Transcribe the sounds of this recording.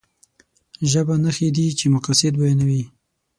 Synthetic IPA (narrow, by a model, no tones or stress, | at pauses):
ʒəbanaxed̪it͡ʃemʊqasɪd̪bajenawi